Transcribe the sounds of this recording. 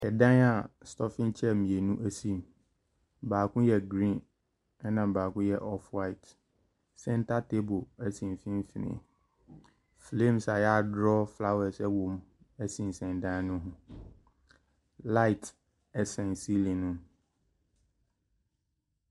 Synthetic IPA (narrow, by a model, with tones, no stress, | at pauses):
ɛ˨dã˦na˨stʰɔ˦fɪ̃˦n˦t͡ɕʰɛ˦˨mĩ˨e˨nũ˦ʔæ˦sĩ˦m | baː˨kʰʊ̃˦jɛ˨ɡɾĩ˦˨n | ɛ˦nã˨baː˨kʊ̃˦jɛ˦˨ʔɔ˦fwa˦˨ɪ˨t | sɛ˦n̩˦tʰa˦tʰe˦bo˨æ˨sĩ˨m˨fĩ˦m˦fi˨nɪ̰̃˨ | flẽ˦˨msa˨jɛ˦a˦˨dɾɔ˦fla˦wɛ˨sɛ˦wõ˨m | æ˦sĩ˨n˨sɛ̃˨ndã˦nʊ̃˦ɦʊ̃˦ | la˦ɪ˨tʰ | ɛ˨sɛ̃˨nsi˦lĩ˨nũ˦m